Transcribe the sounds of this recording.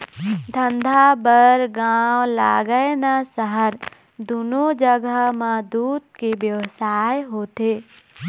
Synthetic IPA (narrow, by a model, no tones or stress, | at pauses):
d̪ʱə̃nd̪ʱabəɾɡawla̰ːɡəenasəɦəɾ | d̪unod͡ʒəɡəmãd̪uːd̪̚kebjəʋsaːjɦoːt̪e